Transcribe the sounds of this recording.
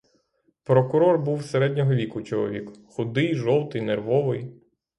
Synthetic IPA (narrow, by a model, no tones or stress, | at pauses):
pɾɔkʊɾɔrbuwseɾɛdʲnʲɔɦɔʋʲikʊt͡ʃɔlˠɔ̰ʋʲikʊxʊd̪ɪjʒɔwt̪ɪjnerʋɔʋɪj